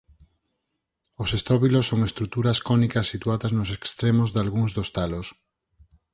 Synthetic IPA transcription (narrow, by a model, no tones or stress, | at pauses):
osest̪ɔβilosːoŋest̪ɾut̪uɾɐskɔnikɐsːit̪uaðɐznosekst̪ɾemozðalɣuŋzðost̪alos